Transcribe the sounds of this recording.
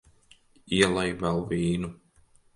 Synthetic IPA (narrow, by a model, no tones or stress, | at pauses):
iɛlˠajbalviːnu